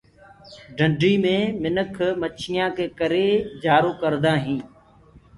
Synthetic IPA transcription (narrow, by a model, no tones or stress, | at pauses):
ɖʱə̃ɳɖʱiːmẽːmɪnəkʰmət͡ʃʰɪjãːkeːkəɾeːd͡ʒaːɾoːkəɾd̪aːɦĩː